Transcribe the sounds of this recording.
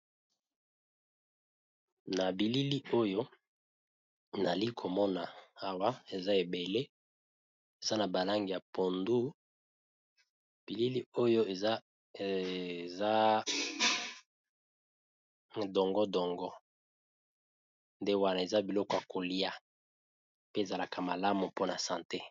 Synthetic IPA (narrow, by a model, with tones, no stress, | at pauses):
na˨bi˨li˦li˦o˦jo˦ | na˨li˦kʰo˨mɔ˦na˨a˨wa˦e˨za˦e˨be˨le˦ | e˨za˦na˨ba˨la˦ŋɡi˨ja˨po˨ndu˦ | pi˨li˦li˦o˦jo˦e˨a˦˨ | za˦ | dɔ˨ŋɡɔ˦dɔ˨ŋɡɔ˦ | nde˦wa˨na˨e˨za˦bi˨lɔ˦kɔ˦a˨ko˨li˦a˨ | pe˦e˨za˨la˨kʰa˨ma˨la˦mu˨po˦na˨sã˨nte˦